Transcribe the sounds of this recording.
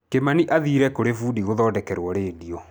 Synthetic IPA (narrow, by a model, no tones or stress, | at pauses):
kemaniʔaðiːɾɛkoɾefuːdiɣoðɔːdɛkɛɾwɔɾeːdiɔ